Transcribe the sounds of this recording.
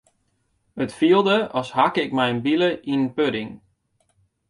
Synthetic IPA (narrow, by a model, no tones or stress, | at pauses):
hətfiəlˠdəɔshakɪkmɛjənbiləʔinənpødɪŋ